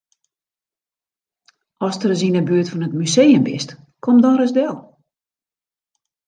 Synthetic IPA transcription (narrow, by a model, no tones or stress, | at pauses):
ɔstəɾəs̬inəbyətfɔnətmysejəmbɪ̰st | kʰomdɔnrəsdɛlˠ